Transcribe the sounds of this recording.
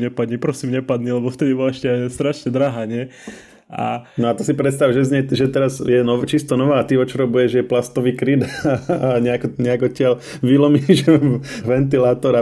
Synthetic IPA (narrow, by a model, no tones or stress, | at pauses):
ɲɛpad̪ɲipɾɔsimɲɛpad̪ɲilɛbɔft̪ɛd̪ibɔlaɛʃcɛajst̪ɾaʃɲɛd̪ɾaːɦaːɲɪɛ | a̰nɔat̪ɔsipɾɛt̪st̪awʒɛzɲɛʒɛt̪ɛɾazjɛnɔt͡ʃist̪ɔnɔʋaːt̪iɔt͡ʃɔɾɔbujɛʒjɛplast̪ɔʋiːkɾid̪aɲɛakɔɲɛaɡɔt̪cɪal | ʋilɔmiʒɛʋɛnt̪̬ilaːt̪ɔɾa